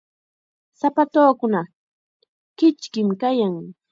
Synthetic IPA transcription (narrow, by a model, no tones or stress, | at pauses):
sapat̪oːkʊnɑχ | kɪt͡ʃkɪmkajaŋ